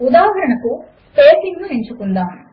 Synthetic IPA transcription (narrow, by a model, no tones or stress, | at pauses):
ud̪aːɦɐɾɐɳɐku | speːsiŋɡnuiɲt͡ʃukund̪aːm